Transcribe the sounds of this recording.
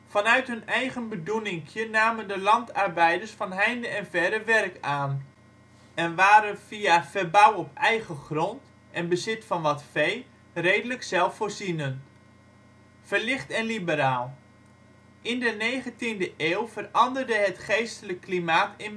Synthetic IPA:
fɑnœɥtɦɵnɛjɣənbədunɪŋkʰjənaːməndəlɑntɑrbɛjdərsfɑnɦɛjndəɛnvɛɾəʋɛrkaːn | ɛnʋaːɾəv̥iafɛrbawɔpɛjɣəχrɔnt | ʔɛnbəzɪtfɑnʋɑtfej | rejdələksɛlˠfːoːrzinən | fərlɪχtɛnlibəɾaːlˠ | ʔɪndənejɣəntindəʔeːwvərɑndərdəɦətχejstələkːlimaːtɪn

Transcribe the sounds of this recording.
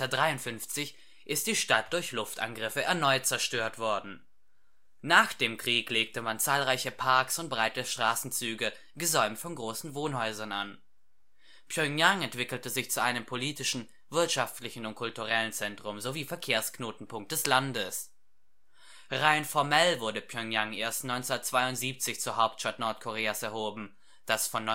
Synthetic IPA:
ɐdʁaɪʊntfʏnft͡sɪç | ʔɪst̚d̥iːʃtat̚d̥ʊɐçlʊftʔa̰nɡʁɪfəʔɛɐnɔʏt̚t͡sɛɐʃtøːɐtv̥ɔɐdn̩ | naːχd̥eːmkʁ̥iːkleːk̚təmant͡saːlʁaɪçəpʰaɐksʊnt̚b̥ʁaɪtəʃtʁ̥aːsn̩t͡syːɡə | ɡəzɔʏmtfɔnɡʁoːsn̩voːnhɔʏzɐnʔa̰n | pʰjœŋjaŋɛntv̥ɪkl̩təzɪçt͡suʔaɪnəmpʰoliːtɪʃn̩ | vɪɐtʃaftlɪçn̩ʊnt̚kʰʊltuʁɛlənt͡sɛntʁ̥ʊmzoviːfɛɐkʰeːɐsknoːtn̩pʰʊŋk̚t̚d̥ɛslandəs | ʁaɪnfɔɐmɛlvʊɐdəpʰjœŋjaŋʔeːɐstnɔʏnt͡snɐtt͡sv̥aɪʊntz̥iːp̚t͡sɪçt͡suːɐɦaʊp̚tʃtatnɔɐtkʰoʁ̞eːasɛɐhoːbm̩ | d̥asfɔnːɔ

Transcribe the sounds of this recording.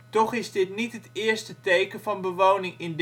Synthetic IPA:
tɔχɪzdɪtnitɦətɪːɹstətejkənvɑnbəʋownɪŋɪnd

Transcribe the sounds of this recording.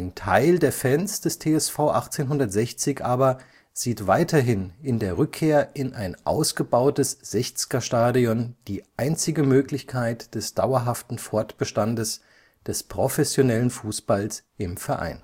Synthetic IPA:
ʔaɪntʰa̰ɪldeːɐfɛnsd̥ɛstʰeːɛsfaʊʔaχt͡seːnɦʊndɐtz̥ɛçt͡sɪçʔaːbɐ | z̥iːtv̥aɪtʰɐɦɪnɪndeːɐʁʏkʰːeːɐʔɪnʔaɪnʔa̰ʊsɡ̥əbaʊtəsz̥ɛçt͡skɐʃtaːdiɔnd̥iːʔaɪnt͡sɪɡəmøːklɪçkʰaɪtd̥ɛsd̥aʊɐɦaftn̩fɔɐtb̥əʃtandəs | d̥ɛspʁ̥ofɛsjonɛlənfuːsb̥alsʔɪmfɛɐʔa̰ɪn

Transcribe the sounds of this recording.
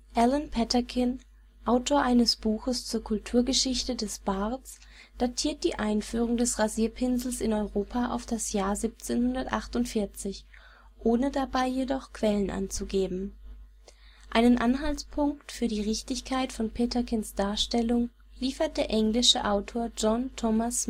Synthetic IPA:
ʔɛlənpʰɛtɐkʰɪn | ʔaʊtʰoːɐʔaɪnəsb̥uːxəst͡suːɐkʰʊltʰuːɐɡəʃɪçtədɛsb̥at͡s | d̥atʰiːɐt̚d̥iːʔaɪnfyːʁ̞ʊŋdɛsʁaziːɐpʰɪnzl̩sɪnɔʏʁoːpʰaʔa̰ʊfd̥asjaːɐziːp̚t͡seːnhʊndɐtʔaχtʊntfɪɐt͡sɪç | ʔoːnədabaɪjedɔχkv̥ɛlənʔa̰nt͡suɡeːbm̩ | ʔaɪnənʔanɦalt͡spʰʊŋktfyːɐɾiːʁɪçtɪçkʰaɪtfɔnpʰeːtɐkʰɪnsd̥aːɐʃtɛlʊŋ | liːfɐt̚d̥eːɐʔɛŋlɪʃəʔaʊtʰoːɐd͡ʒɔntʰɔmas

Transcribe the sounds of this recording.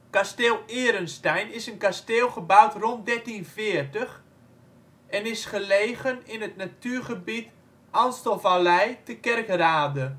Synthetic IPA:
kasteːlˠɪəɾənstɛjnɪsənkasteːlˠχəbawtrɔnt̚dɛrtinvɪərtəx | ɛnɪsχəlejɣənɪnətnatyːɹχəbit | anstəlˠvalɛjtəkɛrkraːdə

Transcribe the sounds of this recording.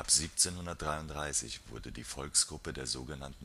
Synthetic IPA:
ʔapz̥iːpt͡seːnhʊndɐt̚d̥ʁaɪʊntd̥ʁaɪsɪ̰çv̥ʊɐdədiːfɔlksɡ̥ʁʊpədeːɐzoːɡənantn̩

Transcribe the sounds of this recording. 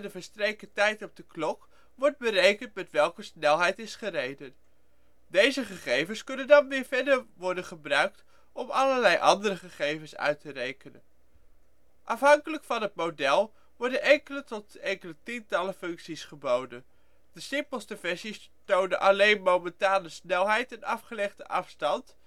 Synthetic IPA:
dəvəɹstrejkətɛjtɔb̚dəklɔk | ʋɔɹd̚bərejkəntmɛtʋɛlˠkəsnɛlˠɦɛjtɪsχərejdən | dejzəχəχejvənskɵnəndɑnʋɪːɹvɛdəɹʋɔɹdənχəbrœɥk̚t | ʔɔmɑləɹlɛjʔɑ̰ndəɾəχəχejvənsœ̰ɥtərejkənə̰n | ʔɑfɦɑŋkələkfɑnɦət̚mowdɛlˠ | ʋɔɹdənɛŋkələtɔtɛŋkələtintɑləfɵŋksisχəbowdən | d̥əsɪmpəl̩ˠstəvɛɹsis | townənʔɑlejnmowmɛntaːnəsnɛlˠɦɛjtɛnɑfχəlɛχdəʔɑfstɑnt

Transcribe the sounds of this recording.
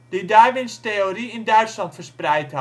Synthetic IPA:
didajʋɪnsteoriɪndœɥtslɑntfərsprɛjth

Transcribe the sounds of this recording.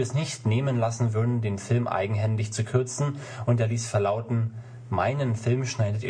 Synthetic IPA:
ɐɛsnɪçtneːmənlasn̩vʏɐdn̩deːnfɪlmʔa̰ɪɡŋ̩ɦɛndɪçt͡sukʰʏɐt͡sn̩ʔʊnteːɐliːsfɛɐlaʊtn̩ | ma̰ɪnənfɪlmʃnaɪdətḭː

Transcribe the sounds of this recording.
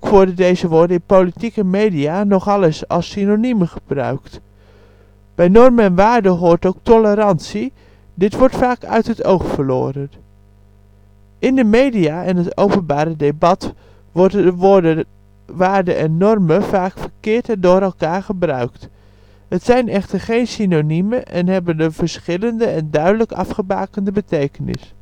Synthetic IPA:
kʋɔɹdədejzəʋʊːɹdəɪnpowlitikəmejdianɔχɑlˠəsɑ̰lˠsinoniməχəb̥rœ̰ɥkt | b̥ɛjnɔrməɛnʋaːrdəɦʊːɹtowk̚tɔləɾɑnsi | dɪtʋɔɹtfaːkʰœ̰ɥtɦətʰo̰wxfəɹlo̰ːəɾən | ʔɪndəmejdiaɛnətowpənbaːɾədebɑt | ʋɔɹdəʋodə | ʋaːɹdəʔɛnːɔrməfaːkfəɹkɪːɹtɛndʊːɾɛlˠkaːɹχəbrœɥkt | ətsɛjnɛχtəɹχejnsinoniməʔɛ̰nɦɛbəndəvəɹsχɪləndəɛndœɥdələkɑ̰fχəba̰ːkəndəbətejkənɪ̰s

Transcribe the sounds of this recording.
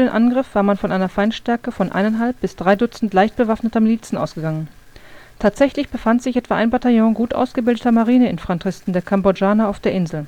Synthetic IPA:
fydeːnʔanɡʁɪfv̥aːɐmanfɔnʔaɪnɐfaɪnʃtɛɐkəfɔnʔa̰ɪnɛnɦalp̚b̥ɪsd̥ʁaɪdʊt͡sn̩tlaɪçt̚b̥əvafnətɐmliːt͡sn̩ʔa̰ʊsɡ̥əɡaŋən | tʰaːtz̥ɛçlɪçb̥əfantz̥ɪçʔɛtv̥aːʔaɪnbataljɔ̃ɡuːtʔa̰ʊsɡ̥əbɪldətɐmaʁiːnəɪnfʁ̥antʁ̥ɪstn̩deːɐkʰambod͡ʒaːnɐaʊfd̥eːɐʔɪnzl̩

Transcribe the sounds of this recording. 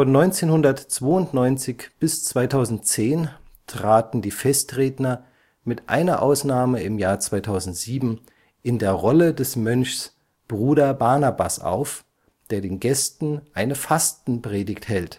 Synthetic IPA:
fɔnːɔʏnt͡seːnhʊndɐtt͡sv̥oːʊntnɔʏnt͡sɪçb̥ɪst͡sv̥aɪtʰaʊzn̩t̚t͡seːntʁ̥aːtn̩diːfɛstʁeːdnɐ | mɪtʔa̰ɪnɐʔa̰ʊsnaːməɪmjaːɐt͡sv̥aɪtʰaʊzn̩tz̥iːbm̩ | ʔɪndeːɐʁɔlədɛsmœnçs | b̥ʁuːɾɐbaɐnaba̰sʔa̰ʊf | d̥eːɐdeːnɡɛstn̩ʔaɪnəfastn̩pʁ̥eːdɪkthɛlt

